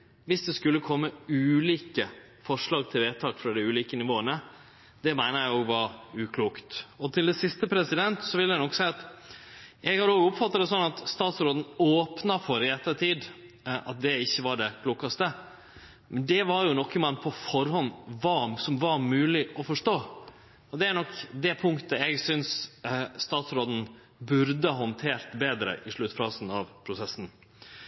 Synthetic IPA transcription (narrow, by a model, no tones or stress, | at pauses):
ʋɪsd̪ɛskʉlːəkʰɔmːəʉːliːkə | fɔʂɭɑːɡt̪ʰɪlʋeːt̪ʰɑːkfɾɑd̪ɪʉːliːkənɪʋoːənə | d̪ɛmæɪnəjæɪoːɡʋɑɾʉːkʰluːkt̪ɔt̪ʰɪld̪ɛsɪst̪əpʰɾɛsɪd̪ɛnt̪sɔʋɪləd̪ɛnɔksæɪɑt̪ | jɛɡhɑɾoːɡʊpfɑt̪ːɑd̪ɛs̬ɔnːɑt̪st̪ɑːt̪sɾoːd̪n̩oːpnɑfɔɾɪɛt̪ːəɾt̪ʰiːd̪ | ʔɑt̪̚d̪ɛɪçːəʋɑɖɛkʰluːkːɑst̪ə | mɛnd̪ɛʋɑɾjʊnɔkːəmɑnpʰɔfɔɾhɔnʋɑːsɔmʋɑɾmʉːlɪʔɔfɔʂʈoː | ɔd̪ɛæɾɳɔkːd̪ɛpʰʊŋkt̪əɛɡsʏnsst̪ɑːt̪sɾoːd̪n̩ | bʉɾd̪əɦɔnt̪ʰeːɾt̪beːd̪ɾə̰ʔɪʂɭʉt̪ːfɑːsn̩ɑʋpʰɾʊsɛsn̩